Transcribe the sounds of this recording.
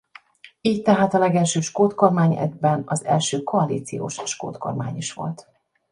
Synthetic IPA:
iːct̪ɛɦaːt̪ɒlɛɡɛlʃøːʃkoːt̪ko̞rmaːɲɛ̰d̪̚bɛnɒzɛ̰lʃøːkoɒliːt̪sḭjo̰ːʃʃko̰ːt̪ko̞̰rma̰ːɲiʃʋo̞̰lt̪

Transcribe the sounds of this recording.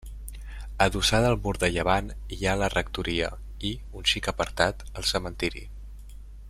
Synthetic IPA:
əðusaðəlˠmuɾd̪əʎəβ̞analərək̚t̪uɾiə̰ | i | unʃikəpəɾt̪at̪əlˠsəmənt̪iɾḭ

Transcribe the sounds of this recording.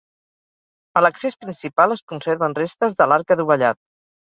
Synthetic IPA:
ələksespɾinsipalˠəskunseɾβənrest̪əzðəlaɾkəðuβəʎat̪̚

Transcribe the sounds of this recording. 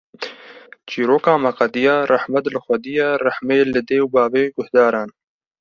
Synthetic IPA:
t͡ʃiːɾoːkɑːmɐqɑd̪ijɑːrʔaħmɐt̪lɨxʷɐd̪ijarahmeːlɨd̪eːwbɑːveːɡʊhd̪ɑːɾɑːn

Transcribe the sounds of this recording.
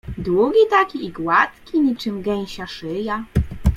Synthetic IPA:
d̪wuɡʲit̪akʲiːɡwat̪kʲiɲit͡ʂɘmɡɛɲ̃ɕaʂɘja

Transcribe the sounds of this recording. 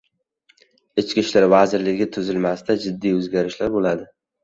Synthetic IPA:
ɪt͡ʃkʲiʃlaɾvazɪɾlɪɡʲɪt̪ʰʊzɪlmast̪ad͡ʒɪd̪ːijɵzɡʲaɾɪʃlaɾbolad̪ɪ

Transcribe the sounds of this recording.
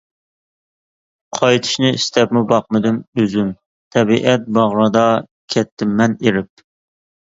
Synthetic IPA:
qʰɑjt̪ʰɨ̥ʃnɨḭst̪ɛpmubɑq̚mɨd̪ɪmøzym | t̪ʰɛbiʔɛt̪̚bɑʁɾɑd̪ɑ | kʲʰɛt̪ʰːɪmːɛneɾɪp̚

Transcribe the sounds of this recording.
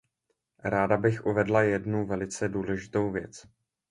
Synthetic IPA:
ɾaːdabɪxʔuvɛdlajɛdnuvɛlɪt͡sɛduːlɛʒɪt̪o̞wvjɛ̰t͡s

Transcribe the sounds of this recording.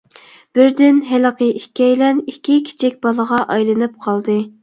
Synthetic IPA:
b̥ɪɾd̪ɪnɦɪlɨqəʔihkʲɛjlɛnikʲːikʲʰi̥t͡ʃʰikʲbɑlˠəʁɑʔɑjlˠɨnɨp̚qʰɑlˠd̪ɨ

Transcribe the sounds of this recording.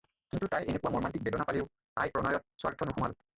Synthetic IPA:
kintutajenekʊwamɔɹmantik̚bebɔnapaliʊ | ta̰jpɹɔnɔjɔt̚swa̰ɹtʰɔnuxuma̰l

